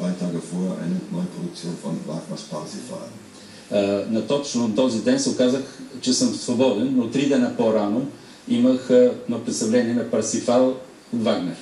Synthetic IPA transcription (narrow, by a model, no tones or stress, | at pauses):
d̪vaɪt̪aːɡəfɔəʔa̰ɪnənɔjəpɾod̪ʊk̪̚sioːnfɔnva̰ɡnəspaɾsifa̰ln | nɐt̪ɔt͡ʃnʊt̪ɔzid̪ɛnsɛʊkazəxt͡ʃɛsəmsvobɔd̪ɛnːot̪ɾid̪ɛnəpoɾano | iməxnopɾɛt̪st̪ɐvlɛniɛnɐpɐɾsifalˠ | ot̪vaɡnɛɾ